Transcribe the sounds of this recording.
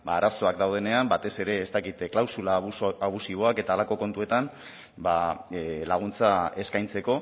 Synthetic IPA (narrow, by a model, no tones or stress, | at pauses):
baːɾaso̞akd̪awð̞e̞ne̞ambat̪e̞se̞ɾe̞ːst̪akit̪klawsulaaβ̞usiβ̞o̞ake̞t̪aːlako̞ko̞nt̪ue̞t̪am | balaɣ̞unt͡sae̞skajnt͡se̞ko̞